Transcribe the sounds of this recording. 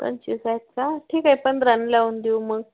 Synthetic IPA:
tə̰nt͡ɕisajt̪̚t͡saʈʰiːkajpəɳd̪ɾanlaund̪iməɡ

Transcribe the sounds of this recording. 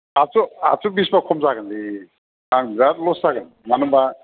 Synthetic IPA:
asua̰subisbakʰɔmzaɡɯndi | aŋizaɾlɔszaɡɯn | manɯba

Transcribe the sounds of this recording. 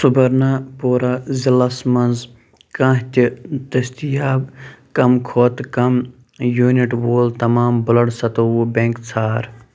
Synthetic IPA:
subɐɾnaːpoːɾaːzilɐsmɐnz | kɐ̃ːɦt̪it̪ɐst̪ijaːbkɐmkʰoːt̪kɐm | juːniʈʋoːlt̪ɐmaːmbʊlɐɽsɐt̪oubẽŋkt͡sʰaːɾ

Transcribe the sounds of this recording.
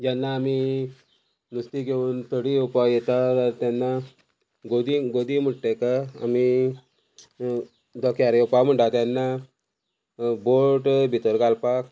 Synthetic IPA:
d͡ʑanːaːmi | nust̪iɡʱeuːnt̪əɽiupajɛt̪at̪əɾt̪janːa | ɡod̪iɡod̪im̤əʈːekaa̰mi | d̪ɔkʰjaɾupam̤əɳʈat̪janːa | boɾʈbʱit̪əɾɡalpak

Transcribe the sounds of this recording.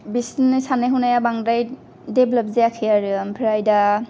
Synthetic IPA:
bisnɯsaneɦunajabaŋdaj | deblap̚zeakʰɯjaɾɯmpʰiɾajda

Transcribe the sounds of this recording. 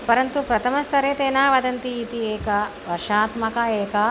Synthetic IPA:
pɐɾɐnt̪upɾɐt̪ʰɐmɐst̪ʰɐɾeːt̪eːnaːʋɐd̪ɐnt̪iːt̪ieːkɐʋɐɾʂaːt̪mɐkɐeːkɐ

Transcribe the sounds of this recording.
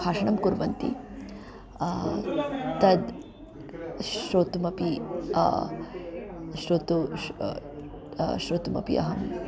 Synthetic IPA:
aːʂɐɳɐmkuɾʋɐnt̪ḭ | t̪ɐd̪ | ʃɾoːt̪umɐpi | ʃɾoːt̪u | ʃɾoːt̪umɐ̰pḭɐ̰ɦɐm

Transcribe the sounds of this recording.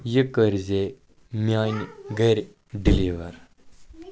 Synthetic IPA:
jəkəɾze | mʲajnɡəɾ | ɖiliʋəɾ

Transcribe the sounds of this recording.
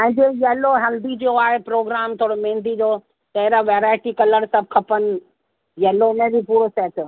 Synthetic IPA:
ɐ̃ɪ̃d͡ʑejɛːloɦɛːld̪id͡ʑioaːɦepɾoːɡɾaːmt̪ʰoːɽomẽːnd̪id͡ʑoː | t̪ɐɦɾaʋeːɾaːɪʈikɐləɽsɐb̚ʱkʰɐpənɪ̆ | jɛːlonẽbipuːɾosɛːʈʊ

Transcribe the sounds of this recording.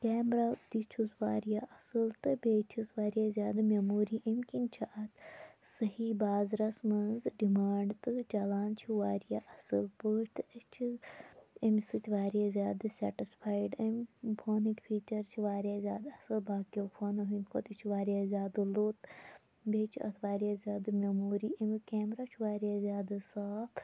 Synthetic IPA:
kʲɛːmɾaːd̪it͡ʃʰusʋaːɾijaːʔɐsɨlt̪ɨbeːt͡ʃʰisʋaːɾjaːzʲaːd̪ɨmʲɐmuːɾiːʔɐmʲkinʲt͡ʃʰaɐt̪sɐɦibaːzɾɐsmɐnzɖimaːɳɖt̪ɨt͡ʃɐlaːnt͡ʃʰiʋaːɾjaʔɐsɨlpəːʃʲt̪ɨɐt͡ʃʰizɐmsɨt̪ʲʰʋaːɾijazʲaːd̪ɨsʲɐ̰ʈispʰaːjɖɐmʲbʰoːnikpʰiːt͡ʃɐɾt͡ʃʰiʋaːɾjazʲjaːd̪ɐsɨlbaːkofʰɐnɐɦinʲkʰot̪it͡ʃʰiʋaːɾijazʲaːd̪ɨloːt̪ | bʲeːt͡ʃʰiɐ̰t̪ʰʋaːɾijazʲaːd̪ɨmʲɐmoːɾiːʔimʲkeːmɾaːt͡ʃʰiʋaːɾijazʲjaːd̪ɨsaːp̪

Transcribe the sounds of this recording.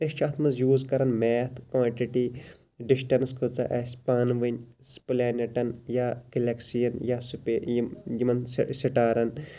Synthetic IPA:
t̪et͡ʃʰɐt̪ʰmɐzjuːzkɐɾɐnmeːt̪ʰkʋãːɳʈiʈi | ɖisʈɐnskʰut͡sɐʔɐsʲpaːnʋinʲ | spleːneʈɐnjakelɐksijɐnjasupejjimɐnssiʈaːɾɐn

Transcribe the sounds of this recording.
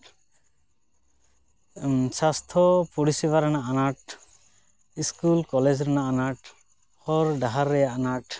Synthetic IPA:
sast̪ʰɔpuɽisibaɾɛnaʔanaʈ̚ | iskulkɔled͡ʒɾɛnaʔanaʈ | hɔɾɖaɦaɾːɛjaʔanaʈ

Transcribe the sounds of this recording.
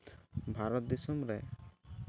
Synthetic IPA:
bʱaɾɔt̪̚d̪isumɾɛ

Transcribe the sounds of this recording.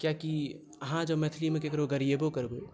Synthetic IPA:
kjaki | əɦãd͡ʒəmɛt̪ʰlimẽkeːkɾoɡəɾijebokəɾbe

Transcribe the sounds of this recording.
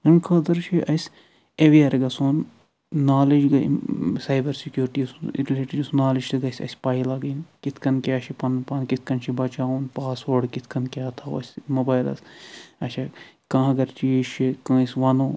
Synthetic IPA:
ɐnkʰɐd̪ɐɾt͡ʃʰiʔɐs | eʋiɐɾɡɐsoːn | naːlid͡ʒɡɐ̰sajbɐɾsikjuːɾʈisɾileːʈid͡ʒusnaːlid͡ʒɨɡɐsʲɐ̰sʲpaːjilaɡɐjnkit̪ʰkɐnkʲjaːʃʰipɐnpɐnkit̪̚ʰkɐnt͡ʃʰibɐt͡ʃaːunpaːsʋoɖkit̪ʰkɐnkʲjaːt̪ʰawɐ̰sʲmoːbaːjlɐ̰sɐt͡ʃʰa | kãːɐɡɐɾt͡ʃieʃikãːisʋɐnoː

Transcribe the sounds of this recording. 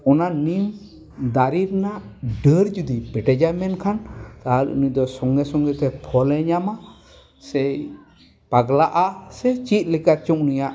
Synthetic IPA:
ɔnanim | d̪aɾiɾnaʔɖəɾd͡ʒud̪ipɛʈɛd͡ʒamɛnkʰant̪aɦalɾṵṵnid̪ɔsɔŋɡɛsɔŋɡɛt̪ɛpʰɔlɛɲama | sɛj | paɡlaʔasɛt͡ʃit̪̚likat̪̚t͡ʃɔ̃ʔunijaʔ

